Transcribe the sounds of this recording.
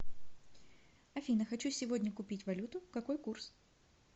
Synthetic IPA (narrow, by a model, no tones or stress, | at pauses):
ɐfʲinəxɐt͡ɕusʲɪvo̞dʲnʲəkʊpʲitʲvɐlʲut̪ʊkɐko̞jkurs